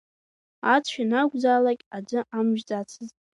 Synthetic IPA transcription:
at͡sʷʰanaɡʷd͡zaːlakʲʼad͡ʒʷɨamʒᶣd͡zat͡sʰɨzʼ

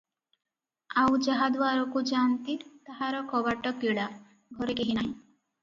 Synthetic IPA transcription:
awd͡ʒaɦad̪ʋaɾɔkud͡ʒant̪it̪ːaɦaɾɔkɔbaʈɔkːiɭa | ɡʱɔɾekeɦinaɦĩ

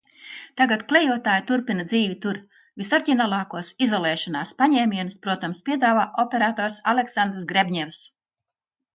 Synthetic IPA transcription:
t̪aɡat̪klʲejuɔt̪aːjit̪uɾpinɐd̪ziːvʲit̪uɾ | vʲisaɾcʲinalˠɑːkuɔsizɔlˠɛːʃɔnaːspaɲɛːmʲiɛnuspɾuɔt̪amspʲiɛd̪aːvaːʔɔpʲeɾaːt̪ɔːɾsaleksand̪ɾs̬ɡɾebʲɲɛvs

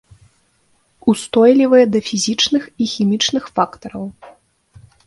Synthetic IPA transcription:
ust̪ɔjlʲivɐjɛd̪ɐfʲizʲit͡ʂnɨxixʲimʲit͡ʂnɨxfakt̪ɐɾɐw

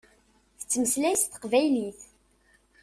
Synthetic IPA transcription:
θə̥t͡sːməslæjsθə̥qvæjliθ

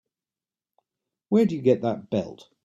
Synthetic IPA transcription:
wəːdəjəɡɛʔðəʔ̚b̥ɛ̰lˠt

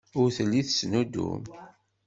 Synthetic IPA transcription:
ʊɾθəlːiθəsnud̪ṵm

